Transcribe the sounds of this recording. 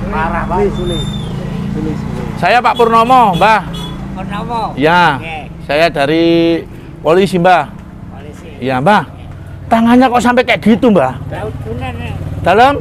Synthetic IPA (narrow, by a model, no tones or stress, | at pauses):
a | sajapaʔpərnɔmɔmbah | ja | sajadaɾi | polisimbah | jambah | t̪aŋaɲakɔʔsampɛkajaʔɡ̥it̪umbah | d̪̥aləm